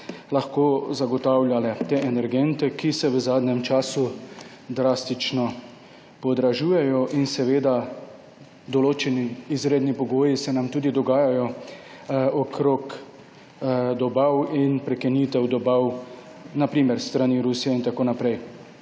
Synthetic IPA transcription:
laxkoːzaɡɔt̪aːwlʲjalɛt̪eʔɛnɛɾɡɛnt̪ɛkisɛʋəzaːd̪nɲɛmt͡ʃaːsu | d̪ɾaːst̪it͡ʃnɔ | pɔd̪ɾaʒuːjɛjɔʔinsɛʋeːd̪a | d̪ɔloːt͡ʃɛniːzɾeːd̪nipɔɡoːjisɛnamt̪uːd̪id̪ɔɡaːjajɔ | ɔkʰɾok | d̪ɔbawinpɾɛkɛniːt̪ɛwd̪ɔbaw | napɾiːmɛɾst̪ɾaniːɾusiɛint̪akoːnapɾɛj

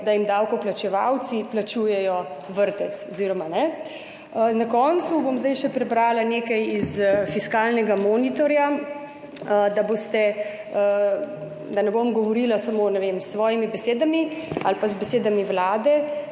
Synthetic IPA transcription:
d̪ajimd̪aːwkɔplat͡ʃɛʋa̰wt̪siplat͡ʃuːjɛjɔ | ʋəɾt̪ɛt̪sɔziɾɔmanɛ | nakɔnt̪subomzd̪ajʃɛpɾɛbɾaːlaneːkɐjizfiskaːlnɛɡamoːnit̪ɔɾja | d̪abost̪ɛ | d̪anɛbomɡɔʋɔɾiːlasamonɛʋemsːʋɔːjimibɛseːd̪amialpazbɛseːd̪amiʋlaːd̪ɛ

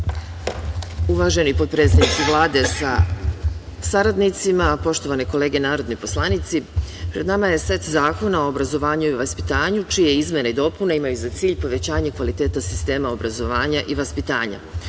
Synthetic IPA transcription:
uʋaʒe̞nipo̞d̪̚pɾe̞t̪sed̪nit̪siʋlˠaːd̪e̞sa̰ | saɾad̪nit̪simapo̞ʃt̪o̞ʋaneko̞leːɡenaːɾo̞d̪nojpo̞slˠanit̪sipɾe̞d̪namaje̞sʋe̞t̪zaːko̞nao̞ːbɾazo̞ʋaːɲuiʋaspi̥t̪aːɲut͡ʃijeizmʲjenaid̪o̞punaimajuzat̪siːʎpo̞ʋe̞t͡ɕaːɲekʋalit̪e̞ːt̪asi̥st̪e̞ːmao̞bɾazo̞ʋaːɲaʔiʋaspit̪aːɲa̰

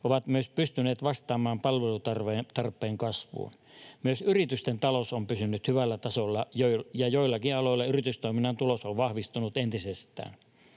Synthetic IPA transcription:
oʋɑt̪myøspyst̪ynˑeːt̪ʋɑst̪ˑɑːmɑːmpɑlʋelut̪ɑrʋet̪ɑrpːˑeːŋkɑsʋṵːn | myøsyrit̪yst̪ent̪ɑlosompysynːyt̪hyʋælːæt̪ɑsolːɑjoijɑjoilːɑkiɑloˑilːɑyrit̪yst̪oiminːɑnt̪ulosoʋʋɑhʋist̪unut̪ent̪isest̪æ̰ːn

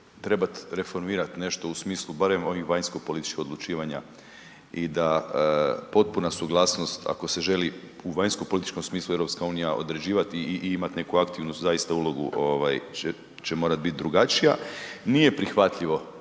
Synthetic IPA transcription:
t̪ɾe̞bat̪ɾe̞fo̞ɾmiːɾat̪ne̞ʃt̪o̞usmiːslˠubaɾe̞mo̞ʋixʋaɲnskopo̞lit̪i̥t͡ʃkixolˠut͡ʃiːʋaɲa | id̪a | po̞t̪̚punasuɡlˠaːsno̞st̪a̰ko̞se̞ʒe̞li | uʋaɲskopo̞lit̪i̥t͡ʃko̞msmiːslˠuevɾo̞pskauːnijaʔo̞̰d̪ɾe̞d͡ʑiːʋat̪iʔimat̪ne̞kuakt̪iʋnuszaist̪aulˠo̞ɡṵʔoʋaje | t͡ɕemo̞ːɾat̪̚bit̪̚d̪ɾuɡat͡ʃija̰nije̞pɾixʋat̪ʎiʋo̞

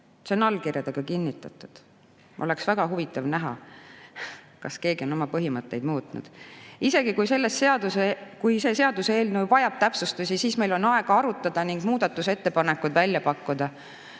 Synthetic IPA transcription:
seo̞nɑlkirjɑd̪̥eɡ̥ɑkinʲːit̪ːˑɑt̪ːˑu̥d̪̥ | ʔo̞̰le̞ksvæɡ̥ɑɦuvit̪ːˑɑvnæɦɑ̰ | kɑske̞ːɡio̞no̞mɑpɤɦimɤt̪ːe̞̰jd̪muːt̪nṵd̪̥ise̞ɡ̥ikujse̞lːesseɑd̪usekujse̞ːse̞ɑd̪̥useeːlnuvɑjɑb̥t̪æpsust̪usʲisiːsme̞jlo̞nɑe̞ɡ̥ɑɑɾut̪ːˑɑd̪̥ɑniŋɡ̥muːd̪̥ɑt̪ːˑuse̞t̪ːe̞pɑne̞kːud̪̥vælʲjɑpɑkːud̪ɑ

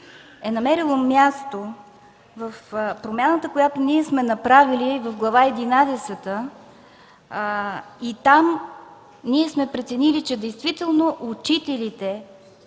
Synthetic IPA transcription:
ɛnɐmɛɾilˠomjast̪o | vəfpɾomʲjanət̪əkojat̪oniɛsmɛnɐpɾavilivəfɡlˠɐvaɛd̪inad̪ɛsɛt̪ə | it̪am | niɛsmɛpɾɛt̪sɛnilit͡ʃɛd̪ɛjst̪vit̪ɛlˠnoʔut͡ʃit̪ɛlit̪ɛ

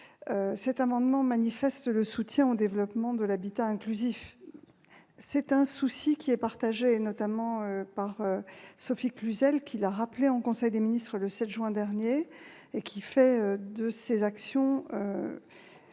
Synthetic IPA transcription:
øsɛt̪amɑ̃d̪mɑ̃manifɛst̪ləsut̪jɛ̃od̪evlɔpmɑ̃d̪əlabit̪aɛ̃klyzif | sɛt̪ɛ̃susikʲiɛpaʁt̪aʒenɔt̪amɑ̃øpaʁøsɔfiklyzɛlkʲʰilaʁapleɑ̃kɔ̃sɛjd̪eminist̪χələsɛt̪ʒɥɛ̃d̪ɛʁnje | ekʲʰifɛød̪əsezaksjɔ̃ø̰

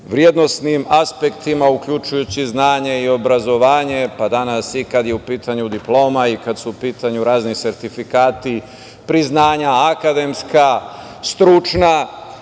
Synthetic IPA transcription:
ʋɾje̞d̪no̞snimaspe̞kt̪imaukʎut͡ʃujut͡ɕiznaːɲe̞io̞bɾazo̞ʋaːɲe̞pad̪anasikad̪je̞upiːt̪ʰaɲud̪iplo̞ːmaikad̪suupiːt̪ʰaɲuɾaːznise̞ɾt̪ifikaːt̪i | pɾiznaːɲaakad̪e̞mska | st̪ɾut͡ʃna

